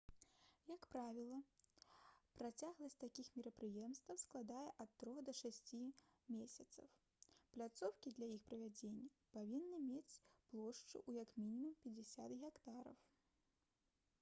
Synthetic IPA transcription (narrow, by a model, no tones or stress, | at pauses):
jɐkpɾavʲilˠɐ | pɾat͡sʲaɣlˠɐsʲtʲt̪akʲixmʲɪɾɐpɾɨjɛmst̪vɐwsklˠad̪ajɛʔɐt̪ːɾɔɣd̪ɐʂasʲt͡sʲimʲesʲɐt̪sɐ̰w | plʲat̪sɔwkʲid̪lʲajixpɾɐvʲad͡zʲenʲːɐ | pavʲinːɨmʲet͡sʲplˠɔʂt͡ʂɨ̰ʔujɐkmʲinʲimumpʲɛd͡zʲɛsʲat̪ɣʲɛkt̪aɾɐ̰w